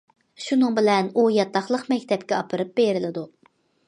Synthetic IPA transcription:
ʃunɨŋbɪlɛnujɑt̪ʰːɑχlˠəqmɛkʲt̪ʰɛpkʲɛɑpʰɨɾɨp̚beɾɪlɪd̪u

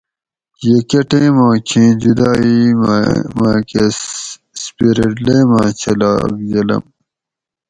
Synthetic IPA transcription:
jekɐʈẽːmãːkʰĩːd͡ʑud̪aːimmaːke | spiɾeʈleːmãːt͡ɕʰɐla̰ːɡd͡ʑɐlɐ̰m

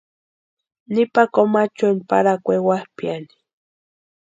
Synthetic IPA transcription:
nipakomat͡ʃenpa̰ɾakʷewahpjani̥

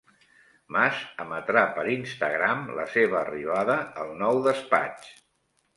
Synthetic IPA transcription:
mazəmət̪ɾapəɾinst̪əɣɾamlə̰seβəːriβaðəːlˠnɔwðəspa̰t͡ʃ

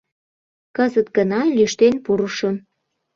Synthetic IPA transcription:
kəzət̪ɡənɑlʲyʃt̪enpuɾəʃəm

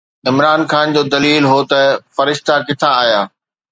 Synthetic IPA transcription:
ɪmɾaːnxaːnd͡ʑoːd̪ɐliːlɦot̪ɐfɐɾɪʃt̪ʰakɪt̪ʰãːɦjaː

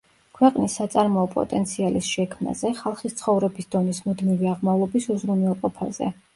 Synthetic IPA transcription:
kʰwɛqʼnisːat̪sʼaɾmɔɔpʼɔ̰t̪ʼɛnt̪sʰialisʃɛkʰma̰zɛχalˠχist̪sʰχɔvɾɛbisd̪ɔnismud̪miviaʁmavlˠɔbisuzɾunwɛlˠqʼɔpʰa̰zɛ̰

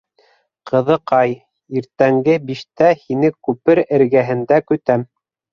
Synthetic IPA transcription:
qɤ̆ðɤqɑj | iɾt̪æŋɡɘbiʃt̪æhinɘkʉpɘɾɘ̆ɾɡæɦɘ̆nd̪ækɵ̆t̪æm

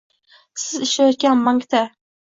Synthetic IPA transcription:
sɪzɪʃlajɔt̪̚kʲanmaŋkt̪ʰa

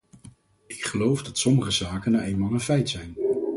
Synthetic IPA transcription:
ɪkχəlowfdɑtsɔməχəzaːkənawejnmaːlˠənfɛjtsɛjn

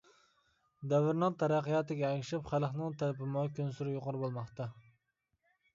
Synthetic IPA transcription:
d̪ɛvɪɾnɨŋt̪ʰɛɾæqːəjɑːt̪ɨɡʲɛɛŋʲʃɪpχælˠχnɨŋt̪ʰælɪpɪmɑkʲønsuɾɪjoqʊɾɨbolˠmɑχt̪ɑ

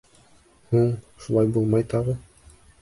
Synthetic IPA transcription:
huɴ | ʃulˠɑjbulˠmɑjt̪ɑʁɤ

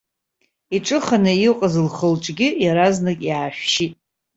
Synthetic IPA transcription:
iʈ͡ʂʼɨχanɨiqʼazɨlχəlʈ͡ʂʼɡʲɪjaɾaznakʲʼjaːʃᶣʃitʼ

